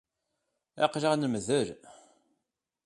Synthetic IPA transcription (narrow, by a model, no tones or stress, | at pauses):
æ̰qləʁnəmðəɾ